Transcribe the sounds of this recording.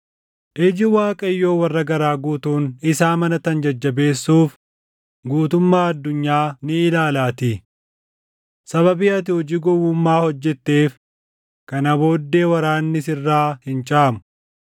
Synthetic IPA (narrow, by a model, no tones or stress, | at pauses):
ʔɪd͡ʒɪwaːkʼɐjːo̞ːwɐrːɐɡɐɾaːɡuːt̪uːnɪsaːmɐnɐt̪ɐnd͡ʒɐd͡ʒːɐbe̞ːsːuːf | ɡuːt̪ʊmːaːɐd̪ːʊɲːaːnɪɪlaːlaːt̪i | sɐβɐbɪɐt̪̬ɪhɔd͡ʒiːɡɔwːʊmːaːhɔd͡ʒːɛt̪ːeːf | kɐnɐbo̞ːd̪ːe̞ːwɐɾaːnːɪsɪrːaːhɪnt͡ʃʼaːmʊ̥